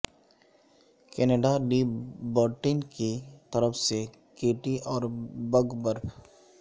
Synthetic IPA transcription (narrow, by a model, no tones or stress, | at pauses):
keːneːɖaliːbəɾʈɪnkit̪ɐɾəfse | keːʈiʔɔːɾbəɡbəɾpʰ